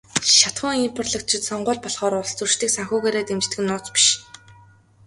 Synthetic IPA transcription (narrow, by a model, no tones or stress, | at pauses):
ʃat̪χʊːŋimpʰɔ̆rɮə̆kt͡ɕʰɪ̆t̪sɔɴɢʊːɮpɔɮχɔːɾʊɮst͡surʃt̪iːksaŋxʊːɣeːɾeːt̪emt͡ɕt̪ɘ̆ɡɘ̆nːʊːt͡spi̥ʃ